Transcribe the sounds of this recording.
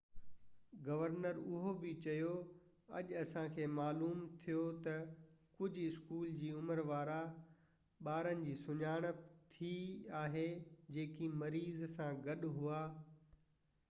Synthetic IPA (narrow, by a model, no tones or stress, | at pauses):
ɡɐʋəɾnəɾʊɦobɪt͡ɕɐjo | ɐ̰ʄɐsãkʰeːmaːluːmt̪ʰijot̪ɐkʊd͡ʑʱɪskuːld͡ʑiːʊməɾʋaːɾa | ɓaːɾənɪ̆d͡ʑiːsʊɲaːɽ̃ət̪ʰiaːɦed͡ʑeːkimɐɾiːzsãɡɐɗʊɦuaː